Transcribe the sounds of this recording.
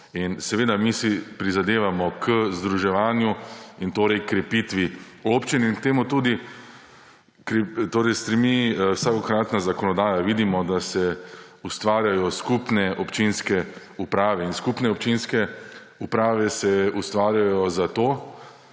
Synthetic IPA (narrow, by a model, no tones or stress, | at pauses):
insɛʋeːd̪amisipɾizad̪eːʋamɔkʰəzd̪ɾuʒɛʋaːnjuint̪oːɾɛjkɾɛpit̪ʋi | opt͡ʃininkt̪eːmut̪uːd̪i | kɾɛt̪oːɾɛjst̪ɾimiwsakɔkɾaːt̪nazakɔnɔd̪aːjaʋiːd̪imɔd̪asɛ | ust̪ʋaːɾjajɔskupnɛʔɔpt͡ʃinskɛ | upɾaːʋɛinskupnɛɔp̚t͡ʃinskɛ | upɾaːʋɛsɛust̪ʋaːɾjajɔzat̪oː